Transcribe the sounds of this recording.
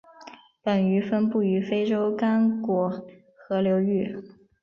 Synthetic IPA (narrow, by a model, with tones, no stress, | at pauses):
pə˨˩ny˧˥fə˥npu˥˩y˧˥fe˥ɪʈ͡ʂo˥ʊka˥nkwɔ˧˥ | xɤ˧˥ljo˧˥ʊy˥˩